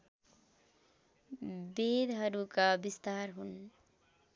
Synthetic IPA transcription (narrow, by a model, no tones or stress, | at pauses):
bed̪ɦʌɾukabist̪arɦun